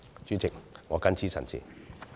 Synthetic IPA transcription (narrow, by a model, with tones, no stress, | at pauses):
t͡ʃyː˥t͡sʰɪ˨˩k̚ŋɔː˨˧kɐ˥nt͡sʰiː˥sɐ̰˨˩nt͡sʰḭː˨˩